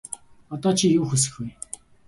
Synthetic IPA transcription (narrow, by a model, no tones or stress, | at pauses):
ɔt̪ɔːt͡ɕʰijuːxɵs̬ɘ̥̆xɡuj